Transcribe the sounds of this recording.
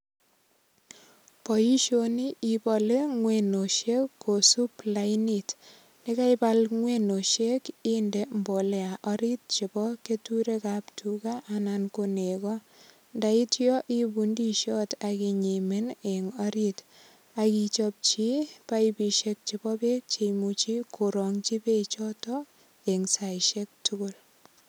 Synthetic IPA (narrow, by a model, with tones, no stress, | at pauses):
pɔ˨ji˦ʃo˦ni˦i˨bɔ˨le˦ŋweno˨ʃe˦kːo˨su˦plainit | ni˦ka˦ipalŋweno˨ʃe˦kinde˨mbo˨le˨a˨ʔɔɾi˦t̚t͡ʃi˨bɔ˦ke˦tuɾe˦kaptʰuka˦ʔanankone˨kɔ˦ | nda˨i˦tjɔ˦ʔi˦bundi˦ʃɔ˦taki˨ɲi˨me˦neŋɔ˦ɾit | a˨kit͡ʃɔp̚t͡ʃi˦pa˦ibi˨ʃek̚t͡ʃi˨bɔ˦be˦k̚t͡ʃe˨imut͡ʃi˦ko˨ɾɔ˨ŋt͡ʃi˦pe˦t͡ʃɔ˦tɔ | e˨ŋsa˨jʃek̚tʊko˦l